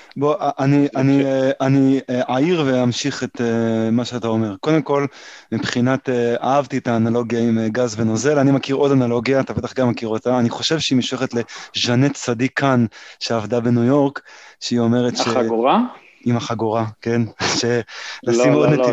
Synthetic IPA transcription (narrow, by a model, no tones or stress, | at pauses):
boʔʔanianʔaniʔaiʁve̞amʃiχetemaʃeatao̞me̞ʁko̞demko̞lmipχinateaavtietaːnalo̞ɡjaimɡazvenozelanimakiʁo̞danalo̞ɡijaːt̪abet̪aχɡamːakiʁotaːniχo̞ʃe̞vʃeimiʃueχetle̞ʒanett͡sadikʰanʃeavdabe̞nujo̞ʁkʃeio̞me̞ʁetʃea | imaχaɡoʁakenʃelaimod̪ne